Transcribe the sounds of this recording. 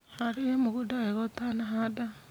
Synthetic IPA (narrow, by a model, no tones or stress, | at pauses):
haɾiemuɣudaeɣotanaɦada